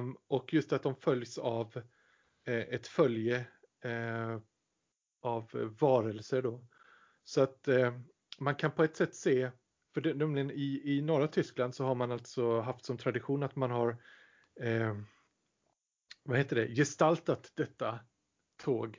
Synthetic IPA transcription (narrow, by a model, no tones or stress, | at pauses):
ɔkjɵst̪at̪̚d̪ɔmfœljsav | ʔɛt̪fœljə | avːɑːɾəlsəɖɔ | sɔat̪ | mankʰanpʰɔɛt̪ːsɛt̪ːseː | fœɖɛnɛmlɪɡənɪɪnɔɾat̪ʰʏskland̪sɔɦaɾmanalt̪sɔɦaft̪sɔmt̪ʰɾad̪ɪɧuːnat̪manɦaɾ | vaheːt̪əɖɛjɛst̪alt̪at̪d̪ɛt̪ːa | t̪ʰoːɡ